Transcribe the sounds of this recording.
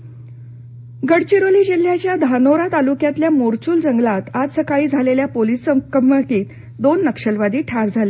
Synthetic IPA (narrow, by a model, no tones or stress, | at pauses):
ɡəɽt͡ɕiɾoliːd͡ʑil̤ːjat͡ɕjad̪ʱanoɾat̪alukjat̪ljamoɾt͡ɕuːld͡zəŋɡlat̪ad͡zsəkaɭiːd͡zʱaleljapolisəkəmʋəkiːt̪ | d̪onːəkʂəlʋad̪iːʈʰaɾd͡zʱale